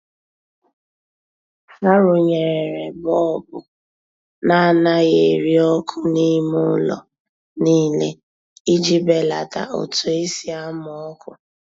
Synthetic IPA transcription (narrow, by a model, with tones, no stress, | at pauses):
ŋa˦ɾʊ˨ɲe˨ɾe˨ɾe˨bɔ˦˨bʊ˨ | na˦˨na˦ɣe˨ɾi˦ɔ˦kʰʊ˦ni˦mʊ˦lɔ̰˨ | niː˦le˦ | i˦d͡ʒi˦be˦la˨ta̰˨o̰˨tu˨e˦si˦a˦mɔ˨ɔ˦kʰʊ˨